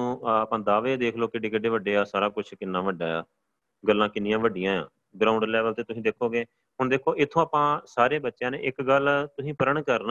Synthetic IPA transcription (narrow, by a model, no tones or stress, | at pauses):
ũːaːpãːd̪aːʋeːd̪eːkʰloːkɪɖeːkəɖeːʋəɖeːaːsaːɾaːkʊt͡ʃʰkɪnːãːʋəɖaːaː | ɡəlːãːkɪnɪjãːʋəɖɪjãːã̰ː | ɡɾaːʊ̃ɳɖlɛːʋəlt̪eːt̪ʊsĩːd̪eːkʰoːɡeː | ɦʊɳd̪eːkʰoːʔɪt̪ʰːõːaːpãːsaːɾeːbətːʃjãːnḛːʔɪkɡəlt̪ʊsĩːpəɾəɳkəɾna